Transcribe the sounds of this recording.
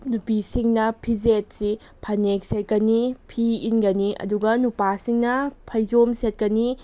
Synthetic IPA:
nupisiŋnɐpʰizet̚si | pʰɐnek̚set̚kɐnipʰiinɡɐniɐ̰duɡɐnupasiŋnɐpʰɐjd͡ʒomset̚kɐni

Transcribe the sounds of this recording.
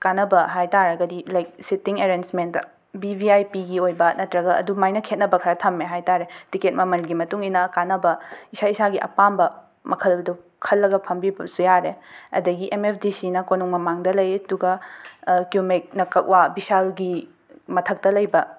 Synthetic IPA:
kanɐbɐɦajtaɾɐɡɐdilajk̚sitiŋeɾensmenɐ | bibʱiajpiɡiojbɐnɐtɾɐɡɐɐ̰dumajnɐkʰet̚nɐbɐkʰɐɾatʰɐmːeɦajtaɾetiket̚mɐmɐlɡimɐtuŋinɐkanɐbɐisaisaɡiʔɐ̰pambɐ | mɐkʰɐlbdu | kʰɐlːɐɡɐpʰɐmbibɐsujaɾeɐ̰dɐɡiʔemep̚ʰdisinɐkonuŋmɐmaŋdɐlɐjɐduɡɐ | kjumik̚nɐkɐk̚wabisalɡi | mɐtʰɐk̚tɐlɐjbɐ

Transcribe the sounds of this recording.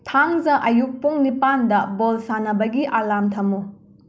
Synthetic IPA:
tʰaŋzɐʔɐjuk̚puŋnipandɐbolsanɐbɐɡiʔalamtʰɐmu

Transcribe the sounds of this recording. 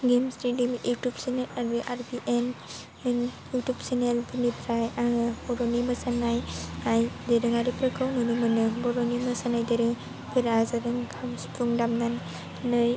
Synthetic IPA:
ɡemsɾidimjutubsenelaɾbiʔaɾbiʔen | njutubsenelbɯnipʰɾajabɔɾɔnimɯsanajajdeɾɯŋaɾipɾɯkʰɯwmɯnɯmɯnɯbɔɾɔnimɯsanajdeɾɯŋ | pʰeɾazaɾɯŋkʰamspɾuŋdamnan | nɯj

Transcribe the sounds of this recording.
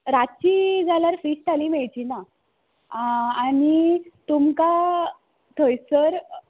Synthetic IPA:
ɾat͡ɕid͡zalaɾfɾisʈ̪aliːmɛɭt͡ɕina | añit̪umka | t̪ʰəjsəɾ

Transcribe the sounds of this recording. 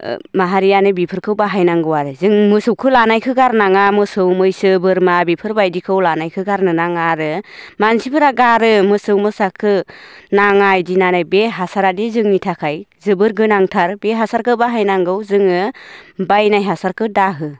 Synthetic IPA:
maɦaɾijanɯbipʰɯɾkʰɯwbaɦajnaŋɡɯwaɾɯzɯŋmɯsɯwkʰɯlanajkʰɯɡaɾnaŋamɯsɯwmɯjsɯbɯɾmabipʰɯɾbajdikʰɯwlanajkʰɯɡaɾnɯnaŋaɾɯmansipʰɯɾaɡaɾɯmɯsɯwmɯsakʰɯnaŋajdinanajbeɦasaɾadizɯŋnitʰakʰajzɯbɯɾɡɯnaŋtʰaɾbeɦasaɾkʰɯbaɦajnaŋɡɯwzɯŋɯbajnajɦasaɾkʰɯdaɦɯ

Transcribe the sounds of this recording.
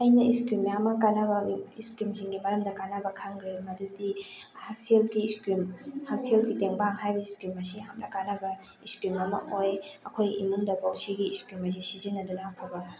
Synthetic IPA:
ɐjnɐiskɾimjaɐmɐkanabɐiskɾimsiŋɡimɐɾɐmdɐkanɐbɐkʰaŋɡɾimɐdudihak̚selɡiskɾimhak̚selɡiteŋbaŋɦajbɐiskɾimɐsiɦamlɐkanɐbɐ | iskɾimɐmɐ̰ojɐkʰojḭmundɐbawsiɡiːskɾimɐs̬isizinːɐdunakʰabɐ

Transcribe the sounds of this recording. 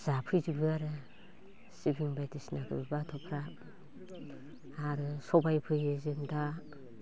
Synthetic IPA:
z̥apʰɯjzibɯaɾɯ | sibiŋbajtisnaɡɯ̰bɯbatʰɔpʰɾa | aɾɯsɔbajpʰɯjezemda

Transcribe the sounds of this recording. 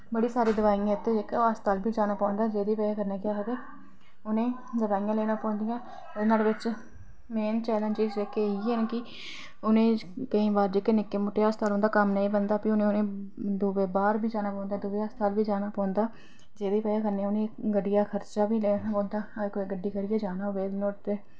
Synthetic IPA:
bəɽiːsaːɾiːd̪əʋaːijãːɪt̪ːeːd͡ʒekːəst̪aːlbiːd͡ʒaːnaːpɔ̃ːnd̪aːd͡ʒeːd̪iːpɛːjaːkəɾnẽːkɪaːɦəd̪eː | ʊnẽː | d̪əbaːijãːleːnãːpɔ̃ːnd̪ɪjãː | ʊd̪ːnaːlʋɪt͡ʃ | meːnt͡ʃɛːlə̃nd͡ʒɪzd͡ʒeːkːeiɛnːkɪ | ʊnẽːkəĩːbaːɾd͡ʒeːkːeːnɪkːeːmʊʈːeːast̪aːlond̪aːkəmnəĩːbənd̪aːpiːʊnẽːʊnẽː | d̪uːʋeːbaːɾbiːd͡ʒaːnaːpɔ̃ːnd̪aːd̪uʋeːast̪ʰaːlbiːd͡ʒaːnaːpɔ̃ːnd̪aː | d͡ʒeːd̪iːpɛːjãːkəɾneːaːʊnẽːɡəɖɪjaːkʰəɾt͡ʃaːbiːleːnaːpɔ̃ːnd̪aːkoːiɡəɖːiːkəɾɪjɛːd͡ʒaːnaːʊʋeːd̪noːt̪eː

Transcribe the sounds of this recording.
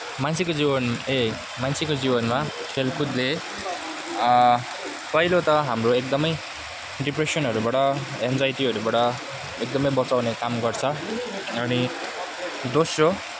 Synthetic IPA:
mant͡sʰekod͡zibʌne | manst͡sʰekod͡zibʌnma | pʰelkud̪le | pʌɦilot̪ʌɦamroek̚d̪ʌmʌj | ɖipresʌnɦʌɾubaʈʌend͡zajʈiɦʌɾubaʈʌ | ek̚d̪ʌmʌjbʌt͡sawnekamɡʌrt͡sʰʌʌni | d̪osro

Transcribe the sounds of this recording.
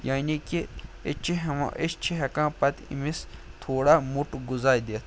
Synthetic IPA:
jaːnikiet͡ʃʰiɦɐmã̰ʔet͡ʃt͡ʃʰiɦɐkãːpɐt̪ḭmist̪ʰoːɽaːmuʈɡuzaːjd̪eːt̪ʰ

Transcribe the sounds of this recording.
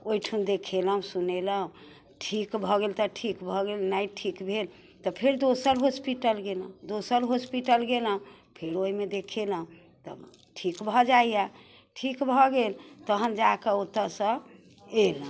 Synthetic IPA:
oiʈʰund̪ekʰeləɦũsuneləɦũ | ʈʰikbʱɔɡelt̪ɔʈʰikbʱɔɡelnaiʈʰikbʱel | t̪ɔpʰeɾd̪osəɾɦospiʈəlɡeləũd̪osəɾɦospiʈəlɡeləɦũ | pʰeɾoimed̪ekʰeləɦũ | t̪ɔ̰ | ʈʰikbʱɔd͡ʒaja | ʈʰikbʱɔɡelt̪əɦənd͡ʒakeot̪əsə̃ | elə

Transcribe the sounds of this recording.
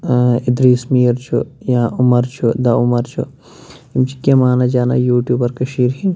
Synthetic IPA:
id̪ɾiːsmiːɐɾt͡ʃʰṵjãːʔʊmɐɾt͡ʃʰud̪ɐumɐɾt͡ʃʰṵ | imt͡ʃʰi̥kːemaːnɐd͡ʒaːna̰juːʈjuːbɐɾkɐʃiːɾɦi

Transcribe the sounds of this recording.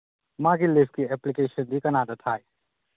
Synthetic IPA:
mãɡilipʰkiɛplikeːsənd̪ʱikɐnad̪ɐt̪ʰaːj

